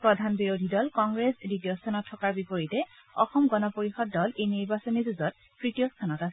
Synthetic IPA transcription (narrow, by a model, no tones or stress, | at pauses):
pɹɔdʱanbiɹodʱidɔlkɔŋɡɹesditijɔstʰanɔtʰːɔkaɹbipoɹitɛ | ɔxɔmɡɔnɔpoɹixɔdːɔlejniɹbasɔnizuzɔt̚ | pɹitijɔstʰanɔtasɛ